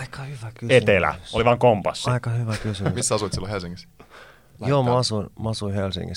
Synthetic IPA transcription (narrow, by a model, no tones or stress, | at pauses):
ɑikɑhyʋækyet̪elæ̰oliʋɑːŋkompɑsːɑikɑhyʋækysyymisːɑsuit̪silohelsiŋːis | joːmɑɑsuinmɑɑsuihelsḭŋɡḭs